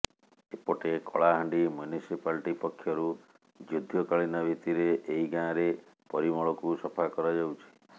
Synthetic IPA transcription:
epɔʈekɔ̰ɭaɦaɳɖimjunisipalʈipɔkʰːjɔɾu | d͡ʒud̪ʱjɔkaɭinɔbʱit̪iɾeʔːiɡãɾe | pɔɾimɔɭɔkusɔpʰakɔɾad͡ʒawt͡ʃʰi̥

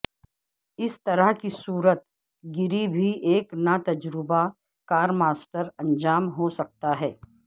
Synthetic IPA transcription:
ɪst̪ɐɾəɦkisuːɾət̪̚ | ɡɪɾibʱiʔeːknɐt̪ɐd͡ʒɾɪba | kaːɾmaːsʈəɾɐ̃nd͡ʒaːmɦosɐk̚t̪aɦɛː

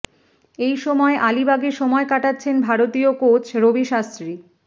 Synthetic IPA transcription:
ejʃɔmɔeʔalibaɡeɾʃɔmɔekaʈatːɕʰenbʱaɾot̪iokot͡ɕʰɾobiʃast̪ɾi

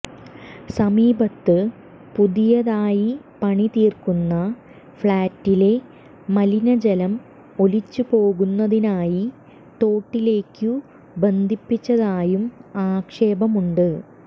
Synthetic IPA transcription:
sɐmiːbɐt̪ːɨ | puðijɐðaːjipɐɳit̪iːrkunːɐ | fɭaːtːile̞ | mɐlinɐd͡ʑɐlɐm | o̞lit͡ɕːupo̞ːɣunːɐðinaːji | t̪o̞ːʈːile̞ːkːu | be̞nd̪ʱipːit͡ɕːɐðaːjumaːkʂe̞ːbɐmuɳɖɨ

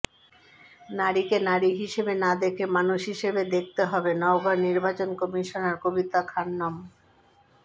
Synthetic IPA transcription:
naɾikenaɾiɦiʃebenad̪ekʰemanuʃɦiʃebed̪ek̚ʰt̪eɦɔbenɔoɡʱɔɾniɾbat͡ɕonkɔmiʃonaɾkobit̪akʰanːɔm

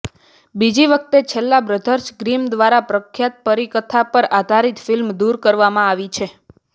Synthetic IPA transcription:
bid͡ʒiʋək̚ʰt̪et͡ʃʰelːabɾəd̪ʱəɾʃɡɾimd̪ʋaɾapɾəkʰːjat̪̚pəɾikət̪ʰapəɾad̪ʱaɾit̪filmd̪uɾkəɾʋamãaʋit͡ʃʰe

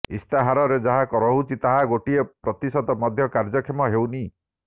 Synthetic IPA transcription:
ḭst̪aɦaɾɔɾed͡ʒaɦakɔɾɔɦut͡ʃʰit̪aɦaɡoʈiepɾɔt̪isɔd̪ɔmɔd̪ʱjɔkaɾd͡ʒɔkʰemɔɦewni

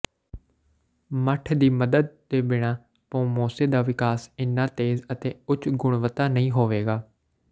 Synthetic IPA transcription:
məʈʰd̪iːməd̪əd̪̚d̪eːbɪɽ̃aː | põːmoːseːd̪aːʋɪkaːsɪnːãːt̪eːzət̪eːʊt͡ʃɡʊɽ̃ʋət̪aːnəɦĩːɦoːʋeːɡaː

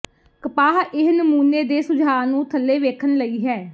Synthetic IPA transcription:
kəpaːɦɪɦnəmuːneːd̪eːsʊd͡ʒʱaːnũːt̪ʰəlːeːʋeːkʰənləiːɦɛː

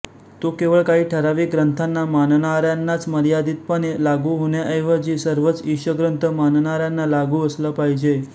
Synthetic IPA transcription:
t̪okeʋəɭkaɦiːʈʰəɾaʋiɡɾənt̪ʰanːamannaɾjanːat͡sməɾjad̪it̪̚pəɽ̃elaɡuɦoɳjaʔejʋəd͡ʑisəɾʋət͡siɕəɡɾənt̪ʰəmannaɾjanːalaɡuəsləpaɦid͡ʑe

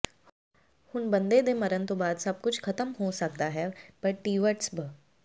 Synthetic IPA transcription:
hʊnbɐ̃nd̪ed̪emɐɾənt̪obaːd̪sɐb̚kʊt͡ʃʰkʰɐt̪əmɦosɐk̚d̪aɦɛpɐɾʈiːʋəʈsbə

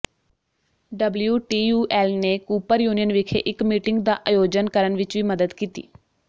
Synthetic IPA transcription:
ɖəbljuːʈiːjuːʔɛːlneːkuːpəɾjuːnijənʋɪkʰḛʔɪkmiːʈɪŋɡd̪aːʔaːjoːd͡ʒənkəɾənʋɪt͡ʃʋiːməd̪əd̪kiːt̪ḭː

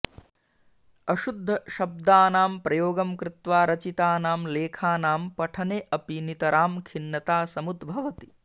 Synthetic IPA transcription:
ɐʃud̪ʱːɐʃɐb̚d̪aːnaːmpɾɐjoːɡɐmkɾɪt̪ʋaːɾɐt͡ʃit̪aːnaːmleːkʰaːnaːmpɐʈʰɐneːʔɐpinit̪ɐɾaːmkʰinːɐt̪aːsɐmud̪bʱɐʋɐt̪i̥

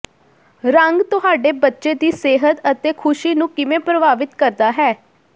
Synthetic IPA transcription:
ɾəŋɡt̪ʊɦaːɖeːbətːʃeːd̪iːseːɦət̪ət̪eːkʰʊʃiːnũːkɪʋẽːpɾəbaːʋɪt̪kəɾd̪aːɦɛː

